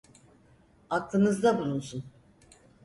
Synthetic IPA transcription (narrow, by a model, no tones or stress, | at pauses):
aklˠɯnɯzd̪abulˠunsun